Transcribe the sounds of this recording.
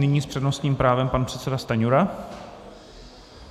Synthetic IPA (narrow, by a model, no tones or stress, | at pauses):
nɪɲiːspr̥ɛdnost̪ɲiːmpɾaːvɛmpanpr̥ɛt̪sɛdast̪aɲuɾa